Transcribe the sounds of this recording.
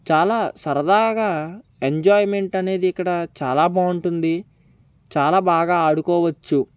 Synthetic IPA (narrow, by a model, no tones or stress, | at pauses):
t͡ʃaːlaːsɐɾɐd̪aːɡaː | eɲd͡ʒaːjme̞ɳʈɐne̞ːd̪iːkːɐɽɐt͡ʃaːlaːbaːuɳʈund̪i | t͡ʃaːlaːbaːɡaːaːɽukɔːʋɐt͡ʃːu